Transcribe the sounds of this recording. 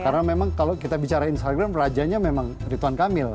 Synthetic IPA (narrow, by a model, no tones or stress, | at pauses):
kaɾənamemaŋkalokit̪abit͡ʃaɾainst̪aɡɾamrad͡ʒaɲamemaŋ | ɾit̪uankamɪl